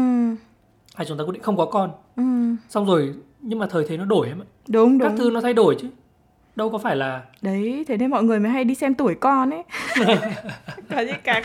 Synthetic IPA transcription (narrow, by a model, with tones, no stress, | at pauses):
ʔɨ˨˩m | haː˨˩t͡ɕʊ˨˦ŋ͡mt̪a˧˦ḭ˧˨ŋxə˧wŋ͡mkɔ˨˦kɔ˧n | ʔɨ˨˩msa˧wŋ͡mzo˨˩j | ɲɨ˧ŋmaː˨˩t̪ʰəː˨˩t̪ʰe˨˦nɔ˨˦ɗo˧˩jha˧mə˧˨jɗʊ˨˦ŋ͡mɗʊ˦˥˦t̪ʰɨ˧nɔ˨˦t̪ʰa˧jɗo˧˩jt͡ɕɨ˨˦ | ɗə˧wkɔ˨˦faː˧˩jlaː˨˩ɗə˨˦jt̪ʰe˨˦ne˧nmɔ̰˧˨ŋɨ˨˩əjmaː˨˦jɦa˧jɗi˧sɛ˧mt̪u˧˩əjkɔ˧ne˨˦ | kɔ˨˦zi˧˦kaː˨˦